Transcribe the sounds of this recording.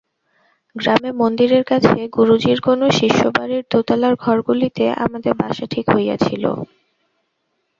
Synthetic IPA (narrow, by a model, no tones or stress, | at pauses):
ɡɾamemond̪iɾeɾkat͡ɕʰeɡuɾud͡ʑiɾkonoʃiʃːobaɾiɾt̪ot̪alaɾɡʱɔɾɡulit̪eʔa̰mad̪eɾbaʃaʈʰikɦoja̰t͡ɕʰilo̰